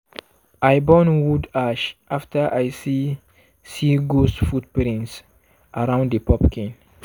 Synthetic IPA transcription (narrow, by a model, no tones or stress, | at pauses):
ʔajbɔ̃nwudaʃʔaftʰəʔajsi | siɡosfut̚pɾĩns | ʔaɾãʊ̃ndəpʰɔpkʰĩn